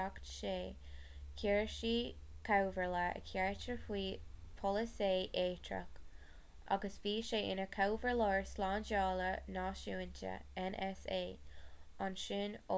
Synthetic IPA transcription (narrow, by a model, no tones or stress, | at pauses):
aktʃeː | kʰɛɹʃiː | kʰawvəɹləə̰kʰɛɹt͡ʃəɹpwiːpʰɔləseːʔeːtʰɹə̰k | ʔa̰ɡəsviːʃeːʔɪnəkʰawvəɹlɔɹslɑːnd͡ʒɑːlənɑːʃuːəntʰə̰ɛnʔɛseːanʃɪno